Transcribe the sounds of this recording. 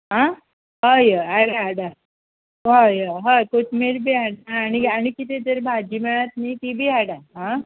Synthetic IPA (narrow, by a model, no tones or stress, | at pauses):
ɦã | ɦajəaɽaaɽa | ʋajəɦajkoʈmeɾbʱiːaɽɦaːniañikit̪ed͡zəɾbʱad͡ʑiːmeɭat̪nit̪ibʱiːaɽaɦã